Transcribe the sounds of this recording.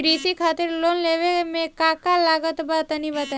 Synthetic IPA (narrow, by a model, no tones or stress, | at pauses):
ɾisikʰaːt̪ɪɾloːnleʋemẽkakalaːɡət̪bat̪anibat̪ː